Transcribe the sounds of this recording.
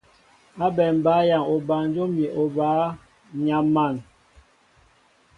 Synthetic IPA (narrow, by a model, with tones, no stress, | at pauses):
a˦bɛ˨m˨ba˨˦ja˨ŋo˨ba˨n˦d͡ʒo˦mi˨ʔo˨ba˨˦ | ɲa˨˦mːa˦˨n